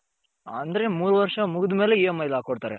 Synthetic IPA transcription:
ɐnd̪ɐɾemuːɾuʋɐɾʂɐmuɡɪd̪ume̞ːleijɐmːɐjlaːkoɽt̪aːɾḛ

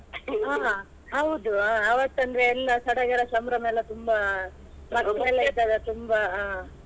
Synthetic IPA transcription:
ɦaːɦa | ɦɐwd̪uaːɐʋɐt̪ːɐnd̪ɐɾeːlːɐsɐɽɐɡɐɾɐsɐmɾɐmɐlːɐt̪umbɐ | mɐkːɐɛlːɐid̪ad̪ɐt̪umbɐ

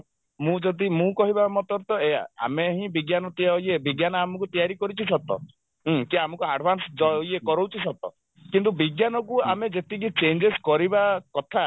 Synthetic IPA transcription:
mũd͡ʒɔd̪imũkɔɦibamɔt̪ɔɾt̪ɔea̰a̰meɦĩbiɡjanɔt̪iaɔjebiɡjanɔamɔk̬ut̪ijaɾikɔɾit͡ʃʰisɔt̪ɔ̰̃ | k̪iamɔkuaɖbʱansd͡ʒɔjekɔɾowt͡ʃʰisɔt̪ɔ̰ | kint̪ubiɡjanɔkuamed͡ʒet̪ikit͡ʃend͡ʒeskɔɾibakɔt̪ʰa

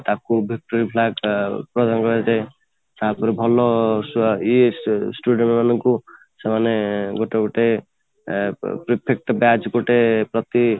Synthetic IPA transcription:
t̪akubʱik̚ʈoɾipʰlaɡpɾɔd̪anɡʌɾed͡ʒaj | sapuɾebʱɔlɔsisʈuɽeɳmanku | samaneɡoʈeɡoʈe | pɾipʰek̚ʈbjad͡ʒɡoʈepɾʌt̪i

